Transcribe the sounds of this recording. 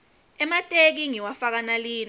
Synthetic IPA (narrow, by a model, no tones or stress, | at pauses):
ɛmatʼek̬iŋiwafak̬analiːn